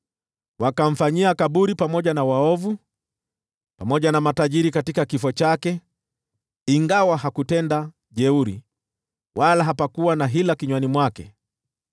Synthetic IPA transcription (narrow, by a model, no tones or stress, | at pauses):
wakam̩faɲiakaɓuɾipamɔʄanawaɔvu | pamɔʄanamataʄiɾikatikakifɔt͡ʃakɛ | iŋɡawaɦakutɛnda | ʄɛuɾi | wʔalaɦapakuwanaɦilakiɲwanimwakɛ̰